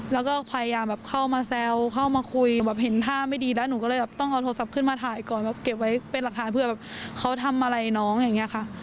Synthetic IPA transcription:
lɛː˦˥wkɔː˥˩pʰaː˧ja˧jaː˧mbɛː˨˩p̚kʰa˥˩wmaː˧sɛː˧wkʰa˥˩wmaː˧kʰu˧jbɛː˨˩p̚ɦe˩˦nt̪ʰaː˥˩ma˥˩jdiː˧lɛː˦˥wnuː˨˧˦kɔː˥˩lɤː˧˩jbɛː˨˩t̪ɔ˥˩ŋʔa˧wt̪ʰoː˧sa˨˩p̚kʰɯ˥˩nmaː˧t̪ʰaː˨˩˦jkɔː˨˩nbɛː˨˩p̚ke˨˩p̚wa˦˥jpe˧nla˨k̚t̪ʰaː˩˦npʰɯ˥˩ɐbɛː˨˩p̚kʰa˦˥wt̪ʰa˧mʔa˧ɾa˧jnɔː˦˥ŋja˨˧˩ŋːi˦˥ɐkʰa˥˩ʔ

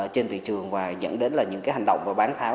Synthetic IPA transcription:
t͡ɕe˧nt̪ʰḭ˧˨t͡ɕɨ˨˩əŋvaː˨˩zə̰˧˥nɗe˨˦nlaː˨˩ɲɨ̰˧˥ŋkaː˨˦jɦa˨˩ŋ̟ɗə̰˧˨wŋ͡mvaː˨˩ɓaː˨˦nt̪ʰaː˨˦w

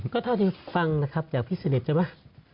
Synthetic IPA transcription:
kɔː˥˩t̪ʰa˥˩wt̪ʰiː˧˩fa˧ŋna˦˥kʰa˦˥p̚t͡ɕaː˨˩k̚pʰiː˥˩sa˧ne˨˩p̚t͡ɕa˧˦ma˦˥˩

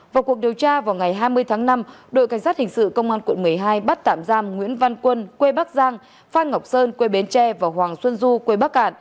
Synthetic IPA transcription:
vaː˨˩wku˨˩ək̚ɗi˨˩əwt͡ɕaː˧vaː˨˩wŋa˨˩jɦaː˧jmɨ˧əjt̪ʰaː˨˦ŋna˧mɗo̰˧˨ka˧˩ŋ̟saː˦˥t̚hï˨˩ŋ̟sɨ̰˧˨kə˧wŋ͡mʔaː˧nkwə˧˩nmɨ˨˩əjɦaː˧jɓa˦˥t̚t̪a̰ː˧˨mzaː˧mŋwḭ˧˥ənva˧nkwə˧nkwe˧ɓa˦˥k̚zaː˧ŋ | faː˧nŋ˨˩wk͡p̚səː˧nkwe˧ɓe˨˦nt͡ɕɛ˧vaː˨˩wɦwaː˨˩ŋswə˧nzu˧kwe˧ɓa˦˥k̚ʔa̰ː˧˩˨n

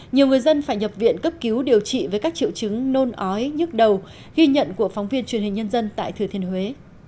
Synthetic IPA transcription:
ɲi˨˩əwŋɨ˨˩əjzə˧nfaː˧˩jɲə˨˩p̚vḭ˧˨ənkə˦˥p̚ki˨˦wɗi˨˩əwt͡ɕḭ˧˨vəː˨˦jkaː˦˥k̚t͡ɕḭ˧˨əwt͡ɕɨ˨˦ŋno˧nʔɔ˨˦jɲɨ˦˥k̚ɗə˨˩w | ɣi˧ɲə̰˧˨nku˧˩əfɔ˨˦wŋ͡mvi˧ənt͡ɕwi˨˩ənhï̟˨˩ɲə˧nzə˧nt̪a̰ː˧˨jt̪ʰɨ˨˩t̪ʰi˧ənhwe˨˦

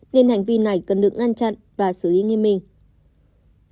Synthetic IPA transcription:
ne˧nha˨˩jŋ̟vi˧na˨˩jkə˨˩nɗɨ˨˩ək̚ŋa˧nt͡ɕa̰˧˨n | vaː˨˩sɨ˧˩li˨˦ŋe˧mï˧˩ŋ̟

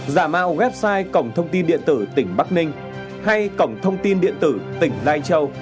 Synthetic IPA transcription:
zaː˧˩ma̰ː˧˨wɣwɛ˦˥p̚saː˧jkə˧˩wŋ͡mt̪ʰə˧wŋ͡mt̪i˧nɗḭ˧˨ənt̪ɨ˧˩t̪ï˧˩ŋ̟ɓa˦˥k̚nï˧ŋ̟ | ha˧jkə˧˩wŋ͡mt̪ʰə˧wŋ͡mt̪i˧nɗḭ˧˨ənt̪ɨ˧˩t̪ï˨˩ŋ̟laː˧jt͡ɕə˧w

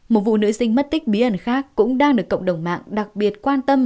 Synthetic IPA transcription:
mo˨˩t̚vṵ˧˨nɨ̰˧˥sï˧ŋmə˦˥t̚t̪ï˦˥k̟̚ɓi˨˦ʔə˧˩nxaː˦˥kːʊ̰˧˥ŋ͡mɗaː˧ŋɗɨ˨˩əkːə̰˧˨wŋ͡mɗə˨˧˩wŋ͡mma̰ː˧˨ŋɗa˨˩k̚ɓi˨˩ət̚kwaː˧nt̪ə˧m

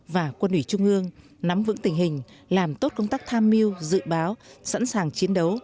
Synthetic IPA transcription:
vaː˨˩kwə˧nʔwi˧˩t͡ɕʊ˧ŋ͡mʔɨ˧əŋ | na˨˦mvɨ̰˧˥ŋt̪ï˨˩ŋ̟ɦï˨˩ŋ̟laː˨˩mt̪o˦˥t̚kə˧wŋ͡mt̪a˦˥k̚t̪ʰaː˧mːi˧əwzɨ̰˧˨ɓaː˨˦wsa̰˧˥nsaː˨˩ŋt͡ɕi˨˦ənɗə˨˦w

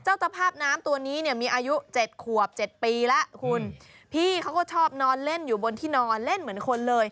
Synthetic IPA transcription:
t͡ɕa˥˩wt̪a˧pʰaː˥˩p̚naː˦˥mt̪u˧ɐniː˦˥ni˥˩əmiː˧ʔaː˧ju˦˥t͡ɕe˨˩t̪̚kʰu˨˩əp̚t͡ɕe˨˩t̪̚piː˧la˦˥ʔkʰu˧n | pʰiː˥˩kʰa˦˥wkɔː˥˩t͡ɕʰɔː˥˩p̚nɔː˧nle˥˩njuː˨˩bo˧nt̪ʰiː˥˩nɔː˧nle˥˩nmɯ˩˦ənkʰo˧nlɤː˧j

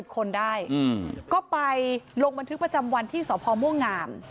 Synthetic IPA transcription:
i˨˩p̚kʰo˧ndaː˥˩jkɔː˥˩pa˧jlo˧ŋba˧nt̪ʰɯ˦˥kpɾa˧t͡ɕa˧mwa˧nt̪ʰiː˥˩sɔː˩˦pʰɔː˧mu˥˩ŋaː˧m

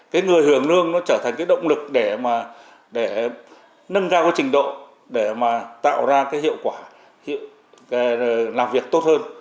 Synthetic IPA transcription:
kaː˨˦jŋɨ˨˩əjhɨ˧˩əŋlɨ˧əŋnɔ˨˦t͡ɕəː˧˩t̪ʰa˨jŋ̟kaː˨˦jɗə̰˧˨wŋ͡mlɨ˨˩k̚ɗe˧˩maː˨˩ | ɗe˧˩ | nə˧nkaː˧wka˨˦jt͡ɕï˨˩ŋ̟ɗo̰˧˨ | ɗe˧˩maː˨˩t̪a̰ː˧˨wzaː˧kaː˨˦jhḭ˧˨əwkwaː˧˩ | hḭ˧˨ | ka˨˦˨laː˨˩mvi˨˩ək̚t̪o˦˥t̚həː˧n

